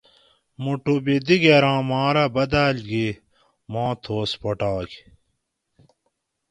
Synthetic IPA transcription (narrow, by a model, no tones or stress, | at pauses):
muʈubid̪iɡeɾãːmaːɾɐbɐd̪aːlɡi | mãːt̪ʰoːspoʈaːk